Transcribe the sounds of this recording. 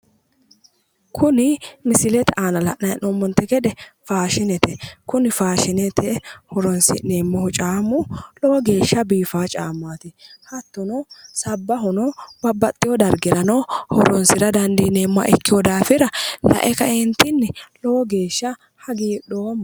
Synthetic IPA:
kʰʊnɪmɪsɪlɛt̪ɛaːnɐlɐ̰ʔnɐjnɔmːɔnt̪ːɛkɛd̪ɛfaːʃɪnɛt̪ɛkʊnɪfaːʃɪnɛt̪ʰɛhɔɾɔnsɪ̰neːmːɔhʊt͡ʃʼaːmːʊlɔwɔɡe̞ːʃːɐbiːfaːt͡ʃʼaːmːaːt̪ɪhɐt̪ːɔnɔsɐbːɐɦɔnɔbɐbːɐt̪ʼːɪjɔd̪ɐɾɡɪɾɐnɔhɔɾɔnsɪɾɐd̪ɐnd̪iːneːmːa̰ʔɪkːɪjɔd̪aːfɪɾɐlɐ̰ʔɛkɐɪnt̪ːɪnːɪlɔwɔɡe̞ːʃːɐ | hɐɡiːɗoːm

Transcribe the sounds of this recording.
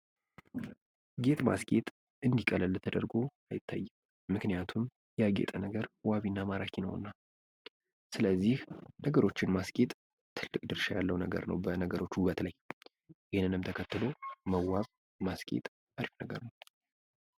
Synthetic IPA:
ɡe̞t̪ʼma̰skʼe̞t̪ʼ | ɨnd̪ikʼələlːt̪ʰəd̪əɾɡo̞ajɪt̪ʰːa̰jːɨm | mɨknijat̪ʰum | jɛaɡe̞̰t̪ʼənəɡəɾwaβinːamaɾakʰinə̰w̰nːa | sɨləzːihnəɡəɾo̞t͡ʃːɪnmaskʼe̞t̪ʼ | t̪ʰɨlːɨkʼd̪ɨɾʃajalːəwnəɡə̰ɾnə̰wbənəɡəɾʔo̞t͡ʃːhʊβət̪ləj | ʔɪhnːɨnɨmt̪ʰəkʰət̪ːɨlo̞məwaz | maskʼḛt̪ʼ | aɾifnəɡəɾnəw

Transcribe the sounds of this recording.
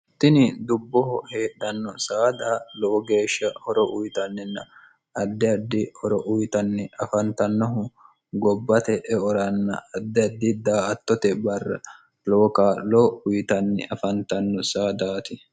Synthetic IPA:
t̪ːɪnɪd̪ʊbːɔhɔheːɗɐnːɔsaːd̪aːloːɡe̞ːʃːɐhɔɾɔʔʊjt̪ɐnːɛnːɐ̰ | ɐd̪ːɛɐd̪ːɪhɔɾɔʔʊjt̪ɐnːɛɐfɐnt̪ɐnːɔɦʊ | ɡɔbːɐt̪ɛʔɛɔɾɐnːɐ̰ɐd̪ːɛɐd̪ːɪd̪aːɐt̪ːɔt̪ɛbɐrːɐ̰ | loːkaːloʊjt̪ɐnːɛ̰ʔɐfɐnt̪ɐnːɔsaːd̪aːt̪ɪ

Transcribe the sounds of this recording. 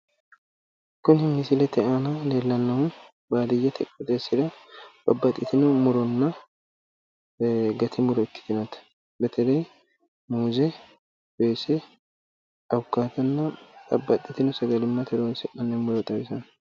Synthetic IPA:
kʊnhɪmːɪsɪlɛt̪ʰɛʔanɐleːlːɐnːɐwʊn | baːd̪ɪjːɐt̪ʰɛkʼːɛt̪ʼeːsɪd̪ɐbɐbːɐt̪ʼːɪt̪ɪnʊmʊɾɔnːɐ | ɡɐt̪ʰɪmʊɾɔɪkːɪ̥t̪ɪnɐt̪ | bɛt̪ʰɛlɐj | muːzɛ | beːsɛ | ɐwʊkːaːt̪ɐnːɐbɐ̰bːɐt̪ʼːɪt̪ɪnʊsɐɡɐlɪmːɐt̪ʰɛɾoːnsɛʔɐnːɛmʊɾɔt̪ʼɐbɪsɐn

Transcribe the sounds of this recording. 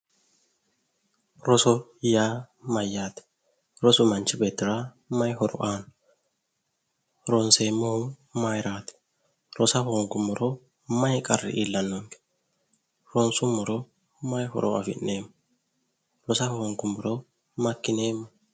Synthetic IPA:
ɾɔsɔjaː | mɐjːaːt̪ɛ̥ | ɾɔsʊmɐnt͡ʃːɪbeːt̪ːɪɾa | mɐjhɔɾɔ̰ʔaːn | ɾɔnseːmːoh | majɾaːt̪ɛ̥ | ɾɔsɐhoːŋkʊmːɔɾɔ | mɐjkʼɐrːɪ̰ʔiːlːɐnːɔŋkɛ̥ | ɾɔnsʊmːɔɾɔ | mɐjhɔ̰ɾɔ̰ɐ̰fɪ̰nːeːmː | ɾɔsɐhoŋkʊmːɔɾɔ | mɐkːɪne̞ːmːɐ

